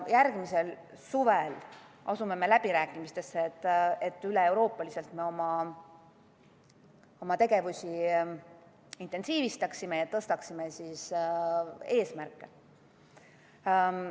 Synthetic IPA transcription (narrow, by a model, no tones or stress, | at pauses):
jæɾɡ̥mise̞l | suvel | ɑsume̞me̞læb̥iɾæːkːˑimist̪e̞sːeːt̪ːˑet̪ːˑyle̞e̞wɾo̞ːpːˑɑlise̞lt̪me̞o̞mɑ | o̞mɑt̪e̞ɡ̥e̞vusʲi | int̪ːˑensiːvist̪ɑksime̞jɑt̪ɤst̪ɑksimesis | e̞ːsmærkˑːe̞